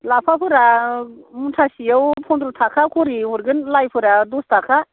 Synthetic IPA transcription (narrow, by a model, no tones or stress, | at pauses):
lapʰapʰɯɾa | muntʰasijawpʰɔnd̪ɾut̪ʰakʰakʰuɾiuɾɡɯnlajpʰɯɾadust̪ʰakʰa